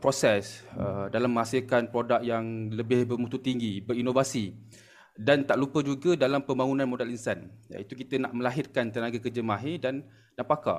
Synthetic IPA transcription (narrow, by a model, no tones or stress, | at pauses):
pɾosɛsədalamːəasikat̪̚pɾodak̚jaŋləbɪhbərmut̪ut̪iŋɡibəɾinovasi | dant̪aʔlupəd͡ʒuɡadalampəmbaŋunãnmodɛlinsanja̰it̪uk̬it̪ənaʔmə̃laɦɪrkant̪ənaɡakəd͡ʒəmaɦidan | dapaka̰